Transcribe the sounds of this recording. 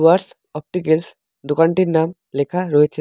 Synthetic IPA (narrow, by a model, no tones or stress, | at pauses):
ʋaɾs | ɔp̚ʈikels | d̪ʊkaɳʈiɾnaːm | lekʰaɾoet͡ʃʰe